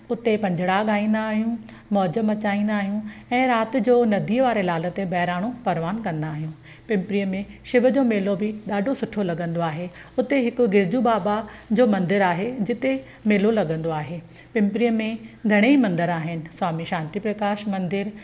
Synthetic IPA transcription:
ʊt̪epɐ̃ɲd͡ʑʱɪɽaɠaːĩːn̆d̪aːɦijũ | mɔd͡ʑəmɐt͡ɕaːĩːnd̪aːɦijũɛ̃ːɾaːt̪ɪ̆d͡ʑoːnɐd̪ʱiːəʋaːɾelaːlə̆t̪ebɐɦɪɾaːɽ̃opɐɾʋaːnkɐ̃nd̪aːɦijũ | pɪ̃mpɾijəmẽʃɪbʱəd͡ʑoːmeːlobɪɗaːɖʱosʊʈʰolɐɠə̃nd̪oaːɦeʊt̪eɦɪkʊ̆ɡɪɾd͡ʑubaːbad͡ʑoːmɐ̃nd̪ɪɾaːɦed͡ʑɪt̪e | meːlolɐɠə̃nd̪oaːɦeː | pɪ̃mpɾijəmẽɡʱɐɽ̃eimɐ̃nd̪ɪɾaːɦɪnɪ̆swaːmiʃãːnt̪ipɾɐkaːʃmɐ̃nd̪ɪɾ

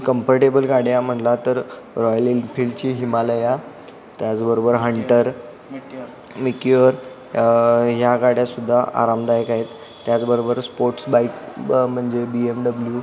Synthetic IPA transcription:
kəmpəɾʈebəlɡaɽjam̤əɳlat̪əɾ | ɾɔjəlilfʰilt͡ɕiːɦimaləja | t̪jat͡sbəɾobəɾɦəɳʈəɾ | mikəɾ | ɦjaɡaɽ̤jasud̪ʱːaʔa̰ɾamd̪ajəkaɦet̪ː | jat͡sbəɾobəɾspoɾʈsbaikm̤əɳd͡zebiemɖəblju

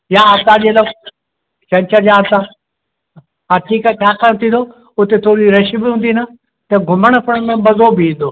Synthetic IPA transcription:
jaaːsaːʄelɐk | t͡ɕɐ̃ɲt͡ɕəɾd͡ʑaːnt̪aː | aːʈʰiːkat͡ɕʰaːkaɽ̃t̪ʰĩːnd̪oː | ʊt̪et̪ʰoːɾiɾɐʃibɪɦũːnd̪inə | t̪ɐɡʱʊməɽ̃pʰɐɽ̃nə̃bɐzobɪĩːn̆d̪oː

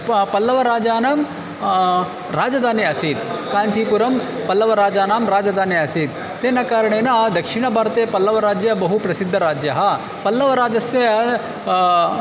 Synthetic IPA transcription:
pɐlːɐʋɐɾaːd͡ʒaːnaːm | ɾaːd͡ʒɐd̪aːnjeɐsiːt̪kaːnt͡ʃiːpuɾɐmpɐlːɐʋɐɾaːd͡ʒaːnaːmɾaːd͡ʒad̪ʱaːnjeɐsit̪ | t̪eːnɐkaːɾɐɳ̃enɐd̪ɐkʂɪɽ̃ɐbʱaːɾt̪eːpɐlːɐʋɐɾaːd͡ʒjɐbɐɦupɾɐsid̪ʱːɐɾaːd͡ʒjɐɦɐ | pɐlːɐʋɐɾaːd͡ʒɐsjɐ

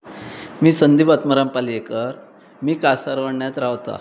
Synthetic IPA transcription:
miːsənd̪ibət̪məɾampaliekəɾ | miːkasaɾʋəɳɳjat̪ɾawt̪a̰

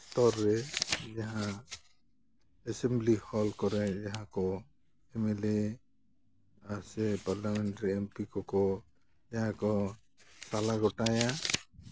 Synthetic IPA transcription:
st̪ɔɾːɛjaɦã | ɛsemblihɔlkɔɾɛjaɦãkɔ | ɛmele | asɛpaɾlameɳʈɾiempikɔkɔ | jaɦãkɔ | salaɡɔʈaja

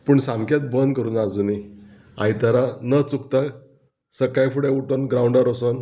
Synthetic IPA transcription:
puːɳsãmkjat̪̚bənd̪̚kəɾuːnad͡zuni | ã̰jt̪əɾanət͡sukt̪a | səkajfuɽeuʈonɡɾauɳɖəɾoson

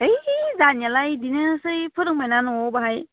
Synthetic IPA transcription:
ejzanjalajdinɯsɯjpʰɯɾɯŋmajnanɔɔbaɦaj

